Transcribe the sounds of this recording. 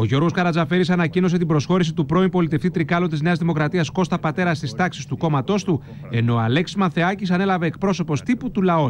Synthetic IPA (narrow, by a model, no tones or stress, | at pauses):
o̞ʝo̞ɾɣo̞skɐɾɐzɐfe̞ɾisɐnɐcino̞s̬e̞t̪ibɾo̞sxo̞ɾis̬it̪upɾo̞impo̞lit̪e̞ft̪it̪ɾikɐlot̪izne̞ɐzðimo̞kɾɐt̪iɐsko̞st̪ɐpɐt̪e̞ɾɐst̪ist̪ɐksist̪uko̞mɐt̪o̞st̪u | e̞no̞ɐ̰le̞ksi̥mɐθeɐcisɐnelɐve̞ːk̚pɾo̞so̞po̞st̪iput̪ulɐo